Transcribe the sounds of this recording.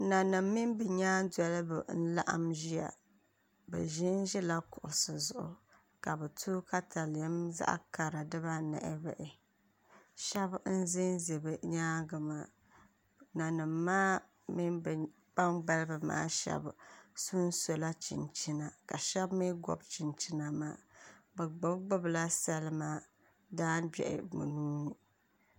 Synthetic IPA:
na˨nɨ˨mːi˦nbɨ˨ɲaː˦dɛ˦lɨ˦bɨ˨n̩˦la̰˦ʔa̰˦mʒi˦a̰˨ | bɛ̰˨ʒi˦nʒɛ˦la˦kʊ˨ʔʊ˨sɨ˨zʊ˨ʔʊ̰˨ | ka˨bɛ˨tʰu˦ka˦tʰa˨ljɛ˦mza̰˦ʔka˨ɾɨ˨dɨ˦ba˦nɛ̰˨ʔɪ˦bɛ̰˨ʔɪ˨ | ʃɛ˦bn̩˦zɪ˦nzɨ˨bɨ˨ɲaː˦ɡɨ˨ma˨ | na˨nɨ˨mːaː˦ | mi˦n˨ | b̥a˦mɡ͡ba˦lbɨ˨ma̰ː˦ʃɛ̰˦bsu˦n˦so˨la˦t͡ʃḭ˨nt͡ʃi˦na˨ka˨ʃɛ˦bmi˦ɡɔ̰˦bt͡ʃi˨nt͡ʃi˦na˨ma̰ː˦bɛ˨ɡ͡bʊ˦bɡ͡bʊ˦bla˦sa˦lɨ˦ma˦ | daː˦nbɛ̰˨ʔɪ̰˨mṵ˨nuː˦

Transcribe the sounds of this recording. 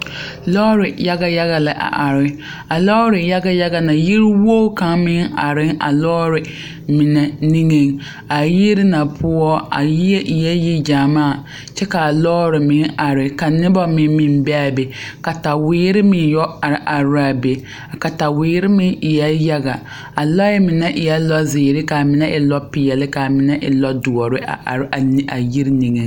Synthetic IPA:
lɔ˦ɾɪ˨ja˦ɡa˨ja˦ɣa˨la˨ʔa̰˨ʔa˨ɾɪ˦ | a˨lɔ˦ɾɪ˨ja˦ɡa˦ja˦ɡa˨na˨ji˦ɾɪ˦wo˦ka˨ŋmɪ˦ŋa˨ɾɪ˦ŋʔa̰˨lɔ˦ɾɪ˨ | mɪ˨nɛ˨ni˦ŋe˦ŋ | a˨ji˦ɾɪ˦na˨pʰʊ˦ɔ˦a̰˨ji˦ɛ˦ʔi˨jɛ˦ji˦d͡ʒa˨maː˦˨ | t͡ʃɛ˦ka˨lɔː˦ɾɪ˨mɪ˨nʔa˨ɾɪ˨ka˨nɪ˦bɔ˦mɪ˨˦mɪ˨m˦bɛ˦a˨be˨ka˨ta˨wiː˦ɾɪ˦mɪ˦jɔ˦a˨ɾʔa˨ɾa˨be˨ | a˨ka˨ta˨wiː˦ɾɪ˦mɪ˦ɪ˨jɛ˦ja˦ɡa˨ | a˨lɔ˦jɛ˦mɪ˨nɛ˦ʔɪ˨jɛ˦lɔ˦zɪː˨ɾɪ˦ka˨mɪ˨nɛ˦ʔɪ˨lɔ˦pɪ˨ɛ˨lɪ˦ka˨mɪ˨nɛ˦ʔɪ̰˨lɔ˦dʊ˨ɔ˨ɾɪ˦a̰˨˦˨a˨ji˦ɾni˨ŋɨ˨

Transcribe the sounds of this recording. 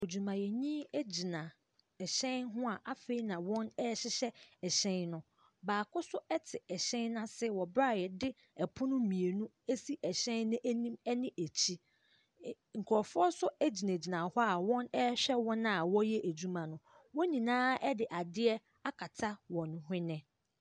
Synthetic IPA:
o˨d͡ʑu˨mã˨jɛ˨ɲĩ˦e˦d͡ʑi˨nã˨ | ɛ˨ɕɛ̃˦nɦʊ̃˦a˨ʔa˦fe˦i˦nã˨wɔ̃˦nɛ˦ɕɪ˦ɕɛ˦ɛ˨ɕɛ̃˦nnʊ̃˦ | baː˨kʰʊ˦sʊ˦ɛ˦tʰɪ˨ɛ˨ɕɛ̃˦nːã˦sɪ˦˨wɔ˨bɾa˦˨jɛ˨dɪ˦ | ɛ˨pʰʊ˦nʊ̃˦mĩ˨e˨nũ˦ | e˦si˦ʔɛ˨ɕɛ̃˦nːʊ̃˦ʔæ˦nĩ˦mɛ˦nɪ̃˦ʔæ˨t͡ɕʰi˦ | ŋ̩˨kʰɔ˨fʊ˦ɔ˦sʊ˦æ˦d͡ʑi˨nã˨d͡ʑi˨nã˨hɔ˦a˨wɔ̃˦nɛ˦ɕᶣɛ˦wɔ̃˦na˨a˨wɔ˦jɛ˦ʔæ˨d͡ʑu˦mã˨nʊ̃˨ | wɔ˦ɲĩ˨nãː˦ɛ˦dɪ˨ʔa˨dɪ˦ɛ˦ | a˦kʰa˨tʰa˦wɔ̃˨ñ˨ɦɪ̃˦nɪ̃˦

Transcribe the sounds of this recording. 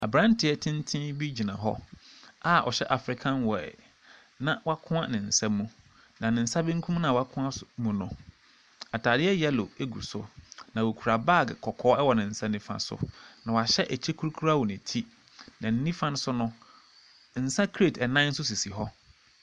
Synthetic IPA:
a˨bɾã˦n˦tʰɪ˨ɛ˦tʰɪ̃˦n˦tʰɪ̃˦bi˦d͡ʑi˨nã˨ɦɔ̰˦a˦ʔɔ̰˨ɕɛ˦ʔa˨fɾɪ˦kʰã˦nwɔ˨ɛ̰˨ | nã˨wa˦kʰʊ̃˦ã˦nɪ̃˨n̩˨sã˦mːũ˦ | nã˨nɪ̃˨n̩˨sa˦bɪ̃˦ŋ̩˦kʰũ˦m˦nã˨wa˦kʰʊ̃˦a˦smũ˨nʊ̰̃˨ | a˨tʰaː˨ɾɪ˦ɛ˦jɛ˦lo˨e˦ɡu˨sʊ̰˦nã˨wo˨kʰu˨ɾa˨ba˦˨ɡkʰɔ˨kʰɔː˦ɛ˦wɔ˨nɪ̃˨n̩˨sã˦nĩ˦fã̰˨sʊ̰˨nã˨wa˨ɕɛ˦ʔɛ˨t͡ɕʰɛ˦kʰu˦ɾu˦kʰu˦ɾa˦wɔ˨nɪ̃˨tʰi˦ | nã˨n̩˦nĩ˦fã˦ñ˦sʊ˦nʊ̃˦ | n̩˨sã˦kʰe˦˨tʰɛ˨nã˦n̩˦sʊ˦s̬i˨si˨ɦɔ˦

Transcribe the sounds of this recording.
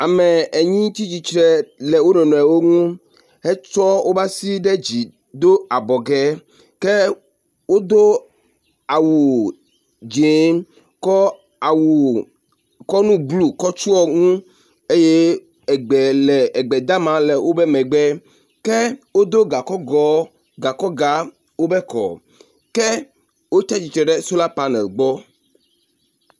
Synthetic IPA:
a˨mɛ˨ɛ˨ɲĩ˦t̪i˦t͡ʃi˨t͡ʃɾɛ˨lɛ˨wo˦nɔ̃˨nɔ̃˨ɛ˨wo˦ŋũ˦ | e˦t͡ʃɔ˦wʔo˦ba˦si˦ɖɛ˦d͡ʑi˨ | d̪o˦a˨bɔ˨ɡɛ˦ | kɛ˦ | wo˦d̪o˦ | a˨wu˨ | d͡ʒe˨˦ | kɔ˦ | a˨wu˨ | kɔ˦nũ˦ɡlu˦kɔ˦t͡ʃu˦ɔ˦ŋũ˦ | e˦je˦ | ɛ˨ɡ͡bɛ˨lɛ˨ɛ˨ɡ͡bɛ˨d̪a˦mã˨˦lɛ˨wʔo˦bɛ˦mɛ̃˨ɡ͡bɛ˦ | kɛ˦wo˦d̪o˦ɡa˨kɔ˦ɡɔ˨˦ | ɡa˨kɔ˦ɡa˨˦ | wo˦bɛ˦kɔ̰˨ | kɛ˦ | wo˦t͡ʃɛ˦t͡ʃi˨t͡ʃɾɛ˨ɖɛ˦su˦la˦pa˦nɛ˨lɡ͡bɔ˦

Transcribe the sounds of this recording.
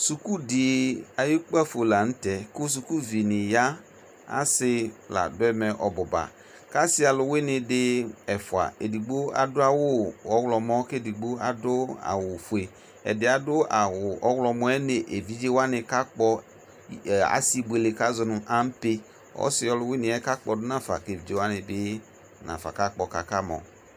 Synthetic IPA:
su˨ku˦dɪ˨a˨ji˦k͡pa˦fo˨la˨n̩˦tɛ˨kʊ˦s̬u˨ku˦vi˨nɪ˨ja˦ | a̰˦sɪ˦la̰˨dʊ˦ɛ˦mɛ˨ʔɔ˨bɔ˨ba̰˨ | ka˦sɪ˦a˨lʊ˨wɪ˦nɪ̃˨dɪ˦ɛ˨fʊ˨a̰˨ḛ˨di˨ɡ͡bo˦a̰˨dʊ˦a˦wʊ˦ɔ˨˦wlɔ˨mɔ˦ke˦˨di˨ɡ͡bo˦a̰˨dʊ˦a̰˨wʊ˨fu˨e˨ | ɛ̰˨dɪ˨a˨dʊ˦a˨wʊ˨ɔ˦wlɔ˨mɔ˦ɛ˦ne˨ʔe˨vi˦d͡ʒe˦wa˦nɪ˨ka˦k͡pɔ˦ | a̰˦si˦ɡ͡bʊ˨e˨le˨ka˦zɔ˨nʊ̃˨ʔa˦m̩˦pe˦ | ɔ̰˦sɪ˦ɔ˦lʊ˨wɪ˦nɪ̃˨ɛ˦ka˦k͡pɔ˨dʊ˦nã˦fa̰˨ke˨vi˨d͡ʒe˦wa˦nɪ˨dɪ˦ | nã̰˨fa̰˨ka˦k͡pɔ˨ka˨ka˦mɔ̰̃˨

